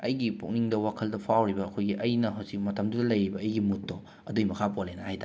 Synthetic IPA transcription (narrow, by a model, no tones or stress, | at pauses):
ɐjɡipuk̚niŋdɐwakʰɐldɐpʰawɾibɐːkʰojɡiʔɐjnɐɦɐwsik̚mɐtʰɐmdudɐlɐjɾibɐːjɡimutʰːo | ɐdujmɐkʰapolenɐhajtʰa